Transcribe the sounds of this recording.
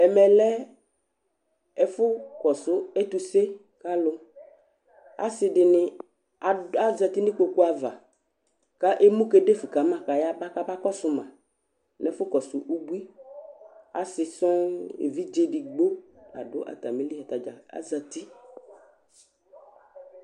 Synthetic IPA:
ɛ˨mɛ˨lɛ˦ | ɛ˨fʊ˦kɔ˨sʊ˦e˦t̪u˨se˦ | ka˦lʊ˦ | a̰˦sɪ˨ɖɪ˨nɪ̃˦ | a˨a˦za˨t̪i˦nɪ̃˦ko˨ku˦a˨va˨ | ka˦ʔe˦mũ˦ke˦ɖe˦fi˨ka˨mã˨ka˨ja˦ba˦ka˦ba˦kɔ˦sʊ˨mã˨ | nɛ˨fʊ˦kɔ˨sʊ˨ʔu˦bu˦i˦ | a̰˦sɪ˨sɔ̃˦ḛ˨vi˦d͡ʒe˦ɖi˨ɡ͡bo˦a̰˨ɖʊ˦ʔa̰˨t̪a˨mĩ˨˦li˦ɛ˨t̪a˨d͡ʒa˨a̰˦za˨t̪i˦

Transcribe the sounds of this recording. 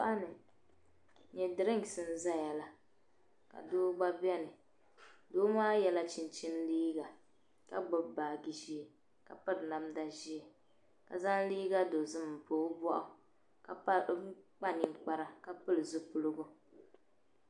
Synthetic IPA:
ʔa˦nɨ˨ | ɲɛ˨dɨ˨ɾɨ˦ŋ˨sɨ˦n̩˦za˦ja˨la˨ | ka̰˨doː˦ɡ͡ba˦bɛ˦nɨ˨ | doː˦maː˦jɛ˦la˦t͡ʃi˨n˦t͡ʃɪ˦n˦liː˦ɡa˨ | ka˦ɡ͡bʊ˦bbaː˨ɡi˨ʒi˦e˨ | ka˨pɨ˦ɾna˨mda˦ʒi˦e˨ | ka̰˨za˦n˦liː˦ɡa˦do˨zɨ˦m˨poː˨˦bɔ˦ʔʊ˨ | ka˨˦k͡pa˦nɪ˨ŋ˦k͡pa˦ɾa˦ka˦pɨ˦lɨ˨zʊ˦pʊ˨lɨ˦ɡʊ˦

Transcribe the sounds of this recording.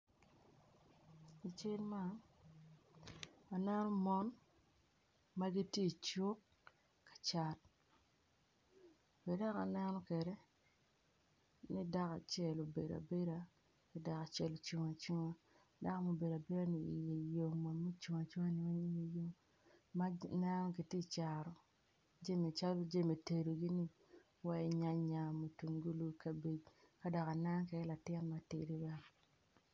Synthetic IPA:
i˨t͡ʃe˦lma˦˨ | a˨nɛ˦nɔ˦mɔ˦n | ma˦ɡi˦tje˦˨t͡ʃo˦kː | ḁ˨t͡ʃa˦t | kɛ˨da˦ka̰˨nɛ˦nɔ˦kɛ˨ɾɛ˦ | ni˦da˦ka˨t͡ʃɛ˨lo˨be˨da̰˨be˦ɾa˦ | ki˨da˨ka˨t͡ʃɛ˦lo˨t͡ʃu˨ŋa˨t͡ʃo˦ŋa˦ | da˦ka˦mo˨be˨da˨be˦ɾa˦ni˨ḭ˨je˨jo˨ŋma˨mo˦t͡ʃu˨ŋa˨t͡ʃu˦ŋa˦ni˨wa˦je˨jo˦ŋ | ma˦na˦nɔ˦ɡi˨te˦t͡ʃa˨ɾɔ˨ | d͡ʒe˦me˨t͡ʃa˦lo˦d͡ʒe˦me˨te˨do˨ɡi˦ni˦ | wa˦i˦ɲa˦ɲa˨mo˨tu˨ŋɡu˦lu˦ka˨bi˨d͡ʒka˦dɔ˨ka˨na˦ŋkɛ˨˦la˨tɪ˦nma˨tḛ˨di˦wa˦

